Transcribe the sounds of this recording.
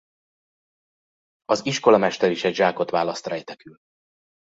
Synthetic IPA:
ɒziʃko̞lɒmɛʃt̪ɛɾiʃɛɟʒaːko̞t̪ʋaːlɒst̪rɛjt̪ɛkyl

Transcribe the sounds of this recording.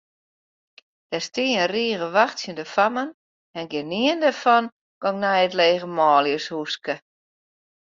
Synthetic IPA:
d̥ɛstiəənriəɣəʋaxtsjəndəfamən | ɛnɡɪniəndɛrfɔn | ɡ̥ɔŋnɛjətleːɣəmɔːljəshuskə

